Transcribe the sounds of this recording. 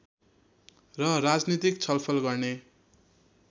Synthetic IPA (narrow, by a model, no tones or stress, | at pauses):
rʌrad͡znit̪ik̚t͡sʰʌlpʰʌlɡʌrne